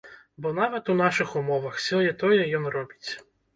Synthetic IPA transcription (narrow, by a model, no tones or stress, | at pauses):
bɔnaʋɐt̪un̪aʂɨxumɔvɐxfsʲɔjɛt̪ɔjɛjɔnrɔbʲit͡sʲ